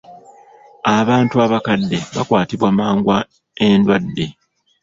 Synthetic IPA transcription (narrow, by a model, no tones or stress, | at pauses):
aβaːntuaβakadːe̞βakwaːtiβwamaːŋɡwa | e̞ndwadːe̞